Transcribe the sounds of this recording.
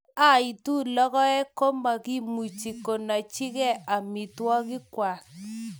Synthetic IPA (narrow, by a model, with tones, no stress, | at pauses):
a˦i˨tu˦lɔ˦kɔ˦ɛ˦ko˦ma˨ɡi˦mu˨t͡ʃi˨ko˨na˨t͡ʃɪ˦ɡɛ˦a˨mi˨twɔ˦ɡɪ˦kwa˨